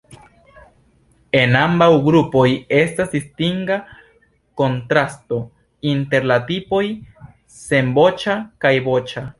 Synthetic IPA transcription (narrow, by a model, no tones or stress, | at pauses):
e̞nambawɡɾupo̞je̞stasdistiŋɡa | ko̞ntɾasto̞ | inte̞ɾlatipo̞j | se̞mbo̞t͡ʃakajbo̞t͡ʃa